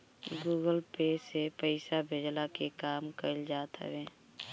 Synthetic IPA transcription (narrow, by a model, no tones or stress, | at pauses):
ɡuːɡəlpeːsepəɪsabʱeːd͡ʒlakekaːmkəld͡ʒaːt̪ɦə̰ʋeː